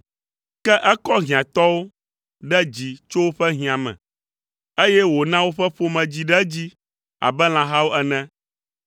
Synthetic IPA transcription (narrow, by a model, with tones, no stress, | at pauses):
kɛ˦ʔɛ˦kɔ˦ɦĩ˨ã˨t̪ɔ˦wo˦ | ɖɛ˦d͡ʑi˨t͡ʃo˦wo˦ɸɛ˦ɦĩ˨ã˨mɛ̰̃˨ | e˦jɛ˦wo˨nã˦wo˦ɸɛ˦ɸo˦mɛ̃˨d͡ʑi˨ɖɛ˦d͡ʑi˦ | a̰˨bɛ˦l̃ã˨ɦa˦wo˦ʔɛ˦nɛ̃˦